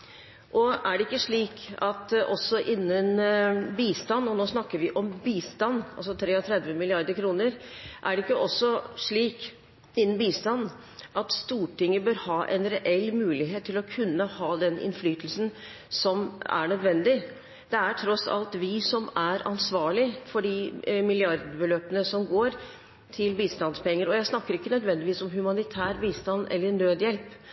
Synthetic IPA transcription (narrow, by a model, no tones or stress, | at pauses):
ʔɔæɖɛɪkːəʂɭiːkɑt̪ʔɔsːɔʔɪnːənbiːst̪ɑnːɔnoːsnɑkːəɾʋɪʔɔmbiːst̪ɑnːɑ̰lsɔt̪ʰɾeːɔt̪ʰɾɛd̪ʋəmɪlɪɑɾd̪əɾkʰɾuːnəɾʔæɖɛɪkːəʔɔsːɔʂɭiːk | ɪnːən̩biːst̪ɑnː | ʔɑt̪st̪uːʈɪŋːəbœːɾhɑːʔɛ̰nɾɛʔɛlːmʉːlɪɦeːt̪ʰːɪlɔkʰʉnːəhɑːd̪ɛnʔɪ̰nflyːt̪əlsn̩ | sɔmæ̰ɳœd̪ʋɛnd̪ɪ | d̪̥ɛæʈʰɾɔsɑ̰lt̪ʋɪsɔmæɾɑ̰nsʋɑːɭɪfɔɖɪmɪlɪɑɾd̪əbəløːpənəsɔmɡoːɾ | t̪ʰɪlbiːst̪ɑnspɛŋːəɾɔjæɪsnɑkːəɾɪkːənœd̪ʋɛnd̪ɪʋiːsɔmɦʉmɑnɪt̪ʰæːɾbiːst̪ɑnʔɛ̰lːəɳøːd̪jɛlp